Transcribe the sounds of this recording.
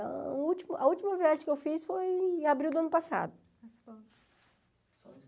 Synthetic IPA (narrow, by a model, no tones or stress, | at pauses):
ut͡ʃimʊʔɐut͡ʃimɐviaʒẽkewfisfojabɾiwd̪ʊɐ̃nʊpasa̰d̪ʊ